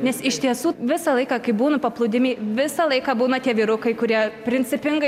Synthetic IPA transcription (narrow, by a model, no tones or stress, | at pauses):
nʲɛsɪʃʲt̪ʲiɛsuːʋʲɪsɑlˠɐɪkɑkɐɪbuːnʊpɐplˠʊd̪ʲɪmʲɛɪʋʲɪsɑlˠɐɪkɑːbuːnɐt̪ʲiɛʋʲiːɾʊkɐɪkʊɾʲiɛpʲɾʲɪnʲt͡s̪ʲɪpʲɪŋɡɐɪ